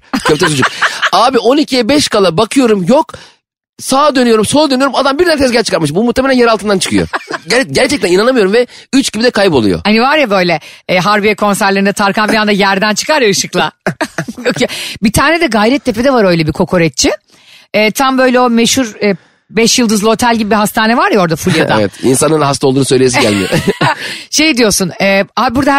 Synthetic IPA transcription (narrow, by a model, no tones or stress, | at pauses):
cʰøpt̪ʰɛt͡ʃʰod͡ʒukaːbio̞nicʰijɛbɛʃkalˠabakʰɯjo̞ɾumjok | saːd̪ø̞nyjo̞ɾumsolˠd̪ønyjo̞ɾumad̪ambiɾd̪ɛnɾt̪ʰɛsɟæɾt͡ʃʰɯ̥kʰaɾmɯʃbumuht̪ʰːemelʲænjeɾalˠt̪ʰɯnd̪ant͡ʃʰɯ̥kʰɯjo̰æɾɟæɾt͡ʃʰɛc̚t̪æninanamɯjo̞ɾumvɛyt͡ʃɟibid̪ɛkʰajpolˠṵjo̰hanivaɾjabø̞jlʲɛɦaɾbijɛkʰo̞nsæɾlʲeɾind̪ɛt̪ʰaɾkʰanfiɾand̪ajæɾd̪ænt͡ʃʰɯ̥kaɾjaɯʃɯklˠa | jokʰjobit̪ʰaːnɛd̪ɛɡajɾɛt̪̚ːʰepʰed̪ɛvaɾø̞jlʲɛbikʰo̞kʰo̞ɾɛt̪̚t͡ʃʰɪ | ɛːt̪ʰambø̞jlʲɛo̞meʃuɾɛ | bɛʃjɯlˠd̪ɯzˠo̞t̪ʰælʲɟibibiɦast̪ʰaːnɛvaɾjao̞ɾd̪afulʲijad̪a̰vɛt̪ḭnsanɯnhast̪ʰaod̪uːnsøjlʲejs̬iɟæ̰lʲmijo̰ | ʃe̞jd̪ijo̞sunɛːabuɾd̪a